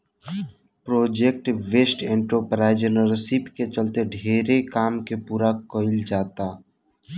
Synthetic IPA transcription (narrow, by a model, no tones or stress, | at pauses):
pɾoːd͡ʒek̚ʈʋeːsʈẽːɳʈɾopɾaːɪd͡ʒənəɾsipket͡ʃəlt̪eɖʱeːɾekaːmkepuːɾakoɪld͡ʒaːt̪aː